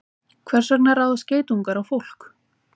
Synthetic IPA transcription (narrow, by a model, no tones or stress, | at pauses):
kʰvɛr̥sak̚naraːwðʏsceːjt̪uŋkaɾawfowl̥k